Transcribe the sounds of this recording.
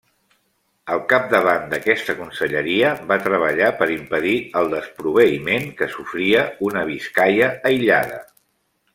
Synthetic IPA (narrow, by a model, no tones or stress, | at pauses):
əlˠkap̚d̪əβ̞and̪əkɛst̪əkunsəʎəɾiəβat̪ɾəβ̞əʎapəɾimpəðiəlˠd̪əspɾuβ̞əimeŋkəsufɾiəunəβ̞iskajəːjʎa̰ð̞ə